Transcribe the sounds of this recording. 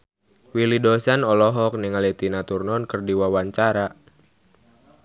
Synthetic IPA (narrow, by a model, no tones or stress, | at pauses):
wilidɔsanɔlɔɦɔk̚niŋalit̪inat̪urnɔnkərdiwawaɲt͡ʃaɾa